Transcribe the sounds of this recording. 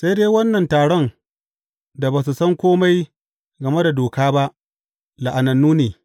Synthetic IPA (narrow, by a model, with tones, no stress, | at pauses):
sa˦jdeː˦wɐ˦nːɐ˨ntaː˨ɽɔ˦n | da˨baː˨s̬u˨sɐ˦ŋkʷoː˦ma˦j | ɡɐ˨me˦da˨doː˨kaː˦ba˦ʔ | la˨ʔa˨nɐ˨nːuː˦neː˨